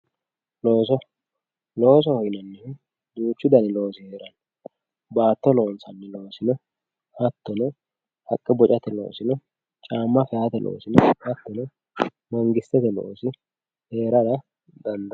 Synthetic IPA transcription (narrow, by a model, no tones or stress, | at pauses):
loːs̬ɔ | lo̞ːs̬ɔhɔjnɐnːɪ | d̪uːt͡ʃːʊd̪ɐnɪlo̞ːsɪheːɾɐn | baːt̪ːɔlo̞ːnsɐnːɪlo̞ːsɪnɔ | hɐt̪ːɔnɛ | hɐkʼːɪbɔt͡ʃʼɐt̪ɛlo̞̰ːsɪnɔ | t͡ʃʼaːmːɐfɛjɐt̪ɛlʔo̰ːsɪnɔhɐt̪ːɔnɛ | mɐŋɡɪst̪ːɛt̪ɛlo̰ːsɪ | he̞ːɾɐɾɐ | d̪ɐnd̪ɐ